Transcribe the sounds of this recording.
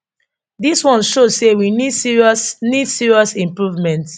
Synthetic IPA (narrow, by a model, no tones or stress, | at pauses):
diswɔ̃nʃosewinidsiɹiɔsnidsiɹiɔsĩmpɹuvmɛ̃nt